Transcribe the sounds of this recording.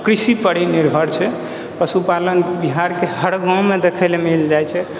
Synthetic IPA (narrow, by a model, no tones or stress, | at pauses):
kɾisipəɽiniɾbʱəɽt͡ʃʰɛ | pəsupalənbiɦaɾkeɦəɽɡãmed̪ekʰɛlemild͡ʒajt͡ʃʰɛ